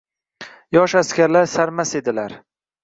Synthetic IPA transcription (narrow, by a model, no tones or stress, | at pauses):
jɒʃaskʲaɾlaɾsaɾmase̞d̪ɪlaɾ